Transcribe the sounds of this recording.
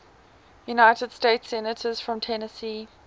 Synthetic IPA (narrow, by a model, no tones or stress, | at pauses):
junaɪtəd̥stetsɛnətʰəz̥fɹə̃mtʰɛnəsiː